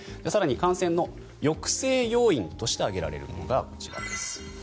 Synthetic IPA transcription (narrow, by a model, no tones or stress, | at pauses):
d͡ʑasaɾaɲ̟ikãɰ̃sẽ̞nːo̞ | jo̞kɯ̟̥se̞ːjo̞ːĩnt̪o̞ɕi̥t̪e̞aɡe̞ɾa̰ɾe̞̰ɾɯ̟̰mo̰noɡako̞t͡ɕiba̰id̪esɨ̥